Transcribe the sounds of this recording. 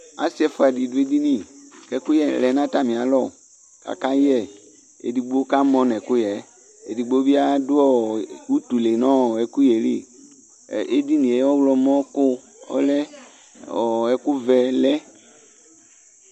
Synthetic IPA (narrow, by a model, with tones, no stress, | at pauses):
a̰˨si˦ɛ˨fɔ˦a˨di˨du˨˦e˦d̪i˦nĩ˦kɛ˨˦ku˦jɛ˨lɛ˨nã˦t̪a˦mĩ˨a˨lɔ˨ | ka̰˨ka˦jɛ˦˨ | ḛ˨di˨ɡ͡bo˦o˦ka˦mɔ̃˦nɛ̃˨kʊ˦jɛ˨ | e˨di˨ɡ͡bo˦bi˦a˦dʊ˦ɔ˦wu˦t̪u˨le˨nɔ̃˦˨ɛ˨ku˦je˨lḭ˦˨ | e˦d̪i˦nĩ˨ɛ˨˦ɔ˦wlɔ˨mɔ̃˦kʊ˦ | ɔ̰˦lɛ˦ | ɔ˨ɛ˨ku˦vɛ˨lɛ˦